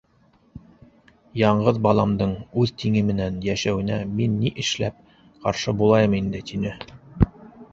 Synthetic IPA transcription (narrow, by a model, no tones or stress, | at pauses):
jɑɴɢɤðbɑlˠɑmd̪ɤɴʉðt̪iŋɘmɘ̆nænjæʃæwɘ̆næminːiʔɘ̆ʃlæp̚ | qɑɾʃɤbulˠɑjɤmind̪ɘt̪inɘ